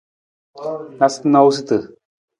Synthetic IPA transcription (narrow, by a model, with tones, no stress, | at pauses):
nast̪na˦˧u˦s̬i˦t̪ɨ˨